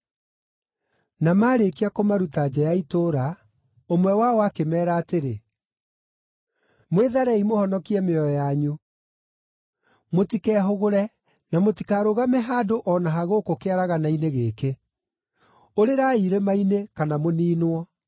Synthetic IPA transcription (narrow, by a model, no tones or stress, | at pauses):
namaːɾekiakomaɾutad͡ʒɛjaitoɾa | omwɛwaɔakemɛːɾaːteɾe | mweðaɾɛimohɔnɔkiɛmeɔjaɲu | motikɛːɦoɣoɾɛ | namotikaɾoɣamɛɦaːdoʔɔnaɦaɣoːkokeaɾaɣanaineɣeke | oɾeɾaiɾemainekanamoniːnwɔ